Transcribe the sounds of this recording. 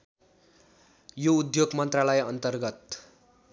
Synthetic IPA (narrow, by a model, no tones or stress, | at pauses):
joud̪joɡmʌnt̪ralʌjʌnt̪ʌrɡʌt̪